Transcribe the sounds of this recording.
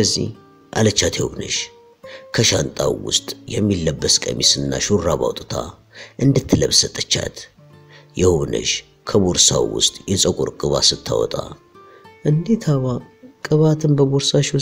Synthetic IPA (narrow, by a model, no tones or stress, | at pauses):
əzːḭh | ʔalət͡ʃːat̪ʰjɛwuβnə̰ʃ | kʰəʃant̪ʼawwʊ̰st̪ʼjɛmːilːəbːəskʼəmisɨnːaʃurːaβa̰wt̪ʼt̪ʰa | ʔɨnd̪ɨt̪ʰːɨləβsət̪ʼːət͡ʃːa̰t̪ | jɛhuβnə̰ʃ | kʰəboɾsawwʊ̰st̪ʼjɛsʼəkʼoɾkʼɨβasɨt̪ʰːawɔ̰t̪ʼa | ʔɨnd̪et̪ʰaβakʼɨβat̪ʰɨnbəboɾsaʃ